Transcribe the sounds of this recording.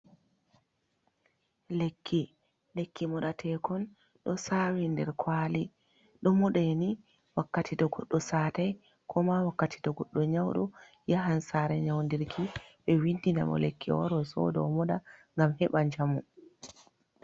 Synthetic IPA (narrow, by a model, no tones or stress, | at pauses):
lekʰːi | lekːimɔɗatʰɛkɔn | ɗɔsawindɛɾkʰwali | ɗɔmɔɗɛni | wakːatidɔɡɔɗːɔsaːtaj | kʰɔmawakːatʰi̥dɔɡɔɗːɔɲawɗɔ | jaɦansaːɾɛɲawndiɾkʰiɓɛwindina̰mɔ̰lekʰːḭwɔ̰ɾɔsɔ̰dɔ̰mɔɗaŋɡamhɛɓaɲd͡ʒamu